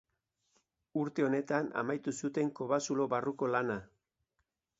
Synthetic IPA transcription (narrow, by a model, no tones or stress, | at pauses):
uɾt̪e̞o̞ne̞t̪ana̰majt̪usut̪e̞ŋko̞βasulo̞βaruko̞lana